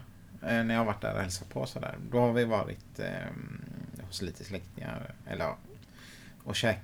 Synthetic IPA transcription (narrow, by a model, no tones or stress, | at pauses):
næɾjɑːhavaʈ̚ːɖ̪æ̰ɾɔ̰hɛlsat̪̚pʰɔsɔd̪æ̰ːɾd̪ɔhaɾvɪvɑːɾɪ̰t̪ | hʊsliːt̪ʰəslɛkt̪ɪŋa̰ɾɛ̰lːəɾ | ɔɕɛːk